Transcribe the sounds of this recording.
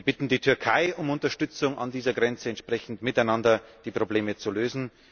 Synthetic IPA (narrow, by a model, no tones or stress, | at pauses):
ɐb̥ɪtn̩diːtʰʏɐkʰaɪʔʊmʊntɐʃtʏt͡sʊŋa̰ndiːzɐɡʁɛnt͡səɛntʃpʁ̥ɛçn̩tmɪtaɪnandɐd̥iːpʁ̥obleːmət͡suløːzn̩